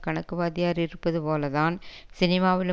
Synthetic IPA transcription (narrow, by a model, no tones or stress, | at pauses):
kɐɳɐkːɯʋaːðɪjaːɾɪɾɯpːɐðɯpoːlɐðaːnsɪnɪmaːʋɪl